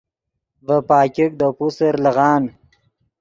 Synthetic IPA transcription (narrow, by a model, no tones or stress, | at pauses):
vəpɑːkʲɪk̚d̪əpusəɾləɣɑːn